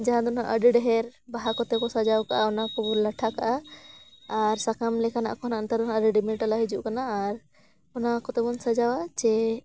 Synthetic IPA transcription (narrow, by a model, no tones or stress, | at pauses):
d͡ʒaɦãd̪ɔna̰ʔəɖɛɖɛɦɛɾbaɦakɔt̪ɛkɔsad͡ʒawkaʔaɔnakɔbɔnlaʈʰakaʔaː | ɾsakamlɛkʰana̰ʔkɔnaənt̪aɾd̪ɔnãəɖɛɖimiʈalaɦid͡ʒuʔkanaːɾ | ɔnakɔt̪ɛbɔnsad͡ʒawat͡ʃɛ